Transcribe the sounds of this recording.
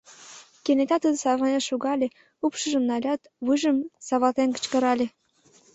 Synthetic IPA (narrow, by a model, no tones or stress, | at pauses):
kenet̪ɑt̪əd̪ə̆sɑβɑnʲeʃuɣɑlʲe | upʃə̆ʒə̆mnɑlʲɑt̪ | βɨʒə̆msɑβɑlt̪enkə̥̆t͡ɕkə̆ɾɑlʲe